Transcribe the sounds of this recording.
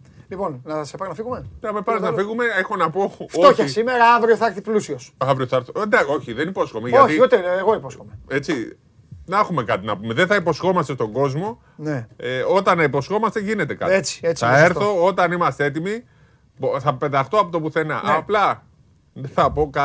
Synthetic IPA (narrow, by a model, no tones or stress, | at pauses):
liponnɐsepɐnɐfiɣumeɐmepɐznɐfiɣume̞exo̞nɐpo̞ftotoçɐsimeɾɐɐvɾioθɐeɾθiplusiosɐvɾioθɐeɾθuend̪ɐo̞çiðenipo̞sxomeʝɐoç̪iut̪eeɣoiposxomee̞t͡si | nɐxume̞kɐt̪inɐpumeðenθɐipo̞sxo̞mɐst̪est̪oɡo̞zmo̞ | neeo̞t̪ɐnɐipo̞sxo̞mɐst̪e̞ʝine̞t̪e̞kɐ̰t̪et͡si̥et͡ssɐe̞ɾθo̞ot̪ɐnimɐst̪ee̞t̪imi | bθɐpe̞ðɐxt̪oɐpot̪opuθe̞nɐnʔplɐ | ðeθɐpo̞kɐ